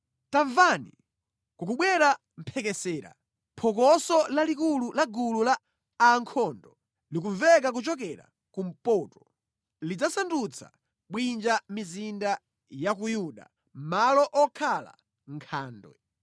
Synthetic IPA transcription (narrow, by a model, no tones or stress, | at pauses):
taɱvanḭ | kuk̬uɓwɛɾa | m̩pʰɛkɛsɛːɾa̰ | pʰɔk̬ɔsɔlalikululaɡululaː | ŋkʰɔndɔ | lik̬uɱvɛk̬ak̬ut͡ʃɔk̬ɛɾa̰ | kum̩pɔtɔ | lid͡zasandut͡sʰa̰ | ɓwind͡ʒamizinda | jakujuɗa̰ | malɔʔɔkʰala̰ | ŋkʰaːndwɛ̰